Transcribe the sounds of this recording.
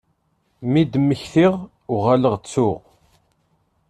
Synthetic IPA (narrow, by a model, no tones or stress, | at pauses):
mid̪mːəçθiʁ | ʊʁaləʁt͡sːʊʁ